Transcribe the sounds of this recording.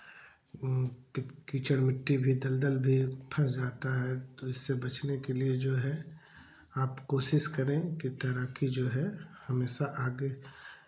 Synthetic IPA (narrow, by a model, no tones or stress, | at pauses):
kit͡ʃəɽmɪʈːibʱid̪ɐld̪əlbʱipʰəsd͡ʒaːt̪aɦɛt̪oɪsːebɐt͡ʃnekelied͡ʒoːɦɛ | aːpkoːʃɪʃkɐɾẽkit̪ɐɾəkid͡ʒoːɦɛhɐmeːʃaʔaːɡe